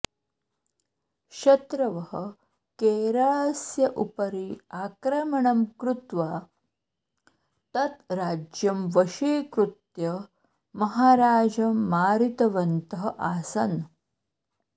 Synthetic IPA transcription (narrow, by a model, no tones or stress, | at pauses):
ʃɐt̪ɾɐʋɐɦɐ | keːɾaːsjɐʔupɐɾiaːkɾɐmɐɳɐmkɾut̪ʋaː | t̪ɐt̪ɾaːd͡ʒjɐmʋɐʃeːkɾut̪jɐ | mɐɦaːɾaːd͡ʒɐmːaːɾit̪ɐʋɐnt̪ɐɦɐʔaːsɐn